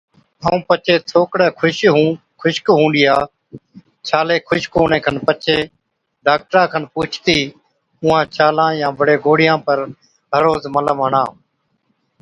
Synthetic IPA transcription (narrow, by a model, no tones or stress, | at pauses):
ɦəːũːpət͡ʃʰeːtʰoːkɽeːkʰʊʃɦũː | kʰʊʃkɦũːnd̪ɪjaː | t͡ʃʰaːleːkʰʊʃkoːnẽːkʰənpət͡ʃʰeː | ɖaːk̚ʈɾãːkʰənpuːt͡ʃʰt̪iː | ʊ̃ːãːt͡ʃʰaːlãːjãːbəɽeːɡoːɽɪjãːpəɾ | ɦəɾoːzmələmɦəɳãː